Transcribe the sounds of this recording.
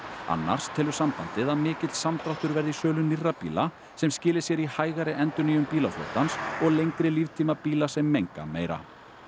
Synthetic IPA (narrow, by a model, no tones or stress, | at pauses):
a̰nːa̰ɾ̥st̪ʰɛːlʏ̥sampant̪ɪðaðmɪːcɪt̪lsamt̪ɾaht̪ʏɾvɛɾðisœːlʏnirːapḭːla | sɛmscɪːlɪsjɛɾihaːjɣaɾɪʔɛnt̪ʏniːjʏmpiːlaflo̰wt̪ansɔɣlejŋkɾɪliːvt̪ʰiːmapiːlasɛmːejŋka̰mḛːjɾa̰